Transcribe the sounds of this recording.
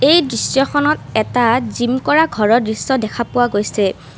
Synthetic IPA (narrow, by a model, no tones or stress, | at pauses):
ejdɹisjɔxʰɔnɔtɛtazimkɔɹaɡʱɔɹɔdɹisɔdɛkʰapʊwaɡojsɛ